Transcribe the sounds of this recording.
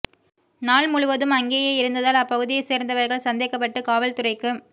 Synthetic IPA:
naːɭmʊɻʊʋɐðɯmɐŋɡeːjeɪɾɯnd̪ɐðaːlɐpːɐɣɯðɪjɐseːɾnd̪ɐʋɐɾɣɐɭsɐnd̪eːkːɐp̬ːɐʈːɯkaːʋɐlt̪ʊrɐɪkːɯm

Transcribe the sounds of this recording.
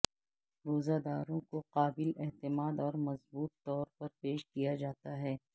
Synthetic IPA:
ɾoːzad̪aːɾõkoqaːbɪlɛɦt̪ɪmaːd̪ɔːɾmɐzbuːt̪ːɔːɾpɐɾpeːʃkijad͡ʒaːt̪aɦɛː

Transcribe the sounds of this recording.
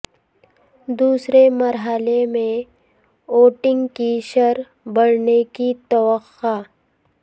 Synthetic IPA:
d̪uːsɾeməɾɦəlemẽ | oːʈɪ̃ŋɡkiʃəɾ | bəɽ̤nekit̪əʋəxaː

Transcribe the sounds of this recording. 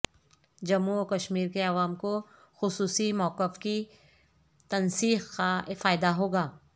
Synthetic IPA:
d͡ʒɐmukɐʃmiːɾkeɐʋaːmko | xʊsuːsimɔːqɪfki | t̪ɐnsiːqːafaːɪd̪aɦoːɡaː

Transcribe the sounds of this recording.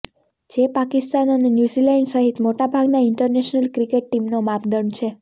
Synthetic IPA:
d͡ʒepakist̪anənenjuzilɛɳɖsəɦit̪moʈabʱaɡnaɪɳʈəɾneʃnəlkɾikeʈ̚ːimnomapd̪ənt͡ʃʰe

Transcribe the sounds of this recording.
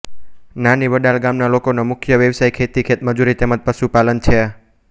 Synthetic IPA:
nanibəɖalɡamnalokonomʊkʰjəʋjəʋsajkʰet̪ikʰet̪məd͡ʒuɾit̪emət̪̚pəʃupalənt͡ʃʰe

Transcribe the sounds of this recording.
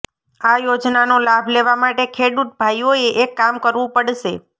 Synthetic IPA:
ajod͡ʒnanolabʱleʋamaʈekʰeɽut̪̚bʱajoeʔekːamkəɾʋũpəɽʃe

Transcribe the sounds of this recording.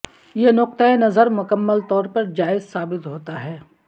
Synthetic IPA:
jenʊq̚t̪əenɐzəɾmʊkəmːəlt̪ɔːɾpɐɾd͡ʒaːɪzsaːbɪt̪ɦoːt̪aɦɛː

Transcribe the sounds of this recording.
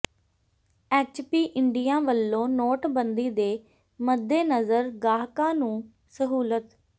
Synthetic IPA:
ɛːt͡ʃpiːʔɪɳɖɪjãːʋəlːõːnoːʈbənd̪iːd̪eː | məd̪ːeːnəzəɾɡaːɦkãːnũː | səɦuːlət̪

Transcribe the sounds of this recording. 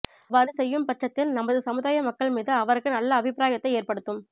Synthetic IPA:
ʋaːɾɯsɛjːɯmpɐʈrɐt̪ːɪlnɐmːɐðɯsɐmɯðaːjɐmɐkːɐɭmiːðɯɐʋɐɾɣɯnɐlːɐːbɪpɾaːjɐt̪ːɐɪeːrpɐɽɯt̪ːɯm

